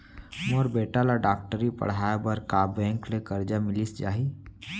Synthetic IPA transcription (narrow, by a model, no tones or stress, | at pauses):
moɾbeːʈalaɖaːk̚ʈəɾipɐ̰ɽ̤aːjabəɾkaːbɛ̃ːŋklekɐɾd͡ʒamɪlisd͡ʒaːɦi